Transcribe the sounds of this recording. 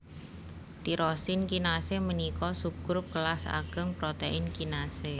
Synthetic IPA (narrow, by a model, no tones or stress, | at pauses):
t̪iɾɔsɪnkinasemənikɔsuɡ̥ɾʊkəlasa̰ɡ̥əŋpɾot̪eʔɪnkinase